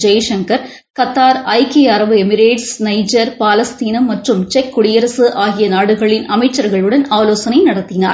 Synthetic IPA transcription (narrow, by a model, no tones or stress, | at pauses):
d͡ʒɐjɐʂɐŋkɐɾ | kɐt̪ːaːɾɐɪkɪjɐɾɐʋɯɛmɪɾeːʈsnɐɪd͡ʒɐɾpaːlɐst̪iːnɐmɐʈrɯmt͡ʃɛkːʊɽɪjɐɾɐsɯʔaːɣɪjɐnaːɽɯɣɐɭɪnɐmɐɪt͡ʃːɐɾɣɐɭɯɽɐnaːloːsɐnɐɪnɐɽɐt̪ːɪna̰ːɾ